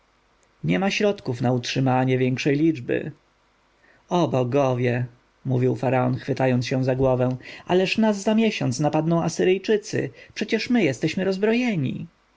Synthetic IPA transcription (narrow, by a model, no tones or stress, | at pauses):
ɲɛmaɕɾɔt̪kufnautʂɘmaɲɛvʲjɛŋkʂɛjlʲid͡ʐbɘ̰ | ɔbɔɡɔvʲjɛ | muvʲiwfaɾaɔnxfɘt̪ajɔnsɕɛ̃w̃zaɡwɔvɛ̃w̃a̰lɛʂnasːamʲjɛɕɔnt̪snapad̪nɔ̃w̃ʔasɘɾɘjt͡ʂɘt̪sɘ̰pʂɛt͡ɕɛʂmɘjɛst̪ɛɕmɘɾɔzbɾɔjɛɲḭ